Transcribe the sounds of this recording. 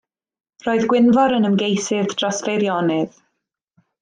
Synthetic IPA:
roːɨðɡwɪnvɔɾənəmɡejsɪðd̥rɔsveɾjɔnɪð

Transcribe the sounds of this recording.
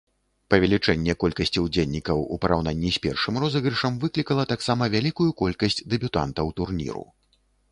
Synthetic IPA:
pɐvʲɛlʲit͡ʂɛnʲːɛkɔlʲkɐsʲt͡sʲiwd͡zʲelʲnʲikɐwṵpɐɾʔawn̪anʲːisʲpʲɛrʂɨmrɔzɐɣɾɨʂɐmvɨklʲikɐlˠɐt̪aksamɐvʲalʲikujukɔlʲkɐsʲt͡sʲd̪ɛbʲut̪a̰nt̪ɐwt̪urnʲḭɾṵ

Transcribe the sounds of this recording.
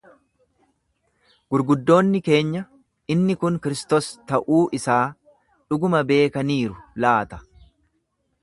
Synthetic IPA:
ɡ̥ʊɾɡʊd̪ːo̞ːnːɪke̞ːɲːɐ | ɪnːɪkʊŋkɪɾɪst̪ost̪ɐʔuːʔɪsaː | ᶑʊɡʊmɐbe̞ːkɐniːɾʊlaːt̪ɐ̥

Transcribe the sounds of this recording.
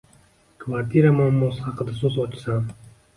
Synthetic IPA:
kʰvaɾt̪ʰiɾamamːɔshaqd̪asuzɔt͡ʃʰi̥san

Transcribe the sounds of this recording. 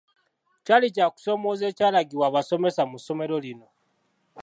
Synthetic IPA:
calicaku̥so̞moze̞ːcalaɡiwaβaso̞me̞samuso̞me̞ɾo̞lino̞

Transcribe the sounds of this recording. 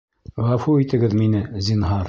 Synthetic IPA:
ʁɑfuit̪ɘ̆ɡɘðminɘzinɦɑɾ

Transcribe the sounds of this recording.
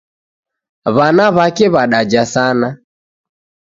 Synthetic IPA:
βanaβakɛβaɗad͡ʒasana

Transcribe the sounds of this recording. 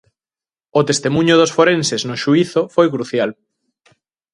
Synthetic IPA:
ot̪est̪emũɲʊðosfoɾenseznoʃuiθofojkɾuθjal

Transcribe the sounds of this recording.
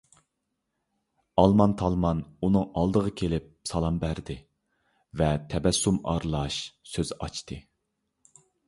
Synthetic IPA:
ɑlˠmɑnt̪ʰɑlˠmɑnunɨŋɑlˠd̪əʁəkʲʰelɪp̚sɑlˠɑmbæɾd̪ɪ | vɛt̪ʰɛbɛsːumɑ̰ɾlˠɑʃsøzɑt͡ʃt̪ʰɨ

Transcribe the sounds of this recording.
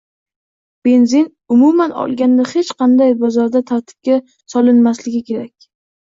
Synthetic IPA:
b̥e̞nzin | ʊmumanɒ̰lˠɡʲand̪ahet͡ʃqʰɑnd̪ajbɒzɒɾd̪at̪ʰaɾt̪ʰɪ̥p̚kʲa | sɒlɪnmaslɪɡʲɪkʲʰe̞ɾakʲ

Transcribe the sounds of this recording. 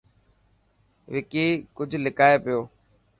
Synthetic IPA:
ʋɪkiːkʊd͡ʒʱlɪkaːeːpɪjoː

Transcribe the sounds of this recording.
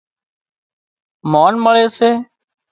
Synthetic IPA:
maːnməɭeːseː

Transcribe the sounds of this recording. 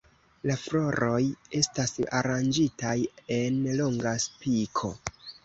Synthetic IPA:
laflo̞ɾo̞je̞stasa̰ɾand͡ʒitaje̞nlo̞ŋɡaspikʰo̞̰

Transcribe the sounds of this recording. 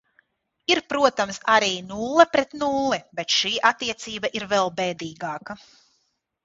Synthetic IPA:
iɾpɾuɔt̪amsaɾiːnulˠɐpɾɛt̪nulˠːibɛt̪ʃiːʔat̪ːiɛt̪siːbaʔiɾvɛlˠbɛːd̪iːɡaːkɐ

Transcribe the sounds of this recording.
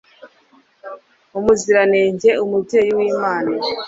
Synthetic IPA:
umuziɾaneːɲɟe̞umubje̞ːjiwiːmaːni

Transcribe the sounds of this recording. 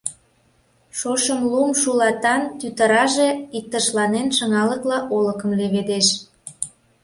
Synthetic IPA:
ʃoʃəmlumʃulɑt̪ɑnt̪yt̪əɾɑʒeik̚t̪əʃlɑnenʃə̆ŋɑləklɑʔoləkə̆mleβed̪eʃ

